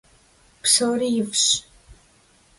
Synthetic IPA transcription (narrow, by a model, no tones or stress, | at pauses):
psoːɾijɪfɕ